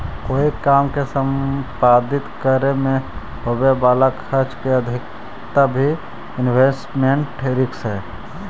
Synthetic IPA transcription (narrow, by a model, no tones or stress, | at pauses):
koːikaːmkesəmpaːd̪ɪt̪kəɾemẽ | ɦobebaːlakʰəɾt͡ʃkeəd̪ʱɪk | t̪abʱi | ɪnwesʈmeɳʈɾɪksɛ